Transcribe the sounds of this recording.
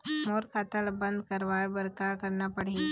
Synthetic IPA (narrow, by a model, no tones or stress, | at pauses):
moːɾkat̪əlbə̃nd̪̚kəɾʋaːbəɾkakɐɾnapɐɽ̤i